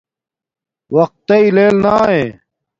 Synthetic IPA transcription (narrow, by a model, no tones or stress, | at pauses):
wɐq̚t̪ːeileːlnaːɦẽː